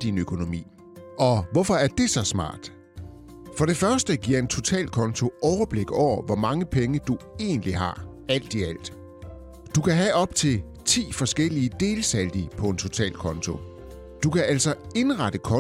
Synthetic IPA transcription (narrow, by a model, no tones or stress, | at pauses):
d̥inøkʰo̝no̝mḭː | ʔɒ̽ʋɒfɒ̽æɐd̥e̝sɒ̽smɑ̰̈ːd̥ | fɒ̽ɾ̥e̝fɶɐsd̥əɡ̥iɐ̰e̝nt͡sʰo̝t͡sʰɛ̰ːld̥̚kʰɒ̽nt͡sʰo̝ʔɒʊɐb̥le̝ɡ̥ɒʊ̰ɐʋɒmɑ̈ŋəpʰeŋəd̥ue̝ːn̩liɦɑ̈ | æl̰d̥iæl̰d̥ | d̥ukʰæɦæʔɒ̽b̥̚t͡sʰe̝l | t͡sʰḭːfɒ̽sɡ̥el̰iəd̥e̝ːlsæld̥ipʰɒ̽e̝nt͡sʰo̝t͡sʰɛ̰ːld̥̚kʰɒ̽nt͡sʰo̝ | d̥ukʰæʔæl̰sɒ̽e̝nʁɑd̥əkʰɒ̽